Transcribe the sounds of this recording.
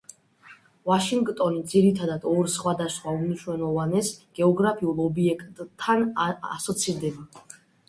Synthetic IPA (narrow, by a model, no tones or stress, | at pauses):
vaʃiŋɡt̪ʼɔnid̪ziɾit̪ʰad̪ad̪ɔɾsχwad̪asχwaumniʃwɛlˠɔvanɛsɡ̥ɛɔɡɾapʰiulˠɔbiɛkʼt̪ʼʰːana̰sɔt̪sʰiɾd̪ɛba